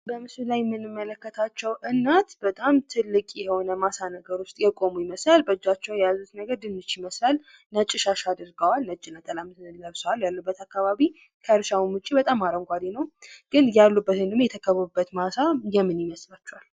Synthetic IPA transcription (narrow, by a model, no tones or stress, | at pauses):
bəmɨsulajmːɨnːɨmːələkːət̪ʰat͡ʃːɛwʔɨnːat̪bət̪ʼamt̪ʰɨlːɨkʼjɛho̞nəmasanəɡəɾʊst̪ʼjɛkʼo̞mujɪməslalbəd͡ʒːat͡ʃːɛwjɛjazut̪nəɡəɾd̪ɨnːɨt͡ʃjɪməslal | nət͡ʃʼːɪʃaʃad̪ɨɾɡəwalnəd͡ʒɪlat̪ʰʼəlamləβswaljalːubːət̪ʰakːaβaβi | kʰəɾʃawimut͡ʃʼibət̪ʼamːaɾəŋɡʷad̪enəwɡ̥ɨnjalːubːət̪hɨnd̪ɨmjɛt̪ʰəkʰəβəubːət̪masajɛmːɨnjɪməslat͡ʃːɛwal